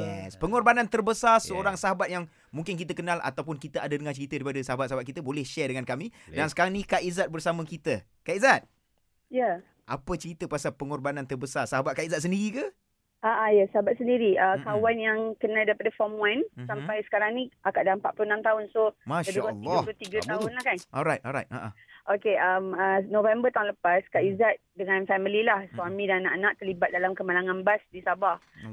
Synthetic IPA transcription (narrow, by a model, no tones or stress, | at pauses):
jɛ̰spəŋɔrbanant̪ərbəsarsəoɾaŋsaɦabat̪̚jaŋ | mũŋkɪnk̬it̪əkənãlʔa̰t̪awpʊnkit̪əʔadadəŋant͡ʃəɾit̪ədaɾipadəsaɦabat̪saɦabat̪̚kit̪əbolɛhʃɛdəŋankamidansə̥kaɾaŋnikaʔizat̪̚bərsamə̃kit̪ə | kaizat̪̚ | ja | ʔapət͡ʃəɾit̪əpasapəŋɔrbanant̪ərbəsarsaɦabat̪̚kaizat̪̚səndiɾikə | aʔajasaɦabat̪̚səndiɾiəkawanjaŋkənaldaɾipadafɔmwansamppajsə̥kaɾaŋnĩʔakaʔdalampaʔplunãmt̪aʊnsomãʃadukliɡaplot̪iɡət̪aʊnlahkanɔlɾajt̚ɔla̰jt̪̚a̰ʔa̰ | ʔokeʔamnovɛmbət̪aʊnləpaskaʔizat̪̚dəŋãnfamililahswamĩdannaʔnãʔt̪əlibat̪̚dalamkəmalaŋãnbasdisaba